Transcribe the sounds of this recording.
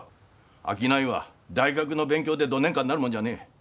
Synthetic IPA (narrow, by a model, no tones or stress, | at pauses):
a̰k̬ʲinaiβa̰d̪aiɡak̬ɯ̟no̞bẽ̞ŋkʲo̞ːd̪e̞d̪oːneŋkãnːaɾɯmond͡ʑane̞ː